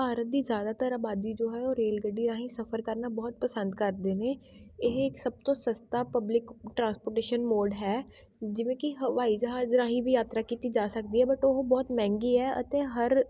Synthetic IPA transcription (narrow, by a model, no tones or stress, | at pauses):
paːɾət̪̚d̪iːzjaːd̪aːt̪əɾaːbaːd̪iːd͡ʒoːɦɛːoːɾeːlɡəɖːiːɾãːɦĩːsəpʰəɾkəɾnaːbɔːt̪̚pəsə̃nd̪kəɾd̪eːneː | ɪɦɪksəb̚t̪õːsəst̪aːpəblɪkʈɾãːnspoːɾʈeːʃənmoːɖɦɛː | d͡ʒɪʋẽːkɪɦəʋaːiːd͡ʒəɦaːzɾãːɦĩːbiːjaːt̪ɾaːkiːt̪iːd͡ʒaːsək̚d̪iːɦɛːbəʈoɦbɔːt̪mɛ̃ːŋɡiːɛːʔə̰t̪ẽːɦəɾ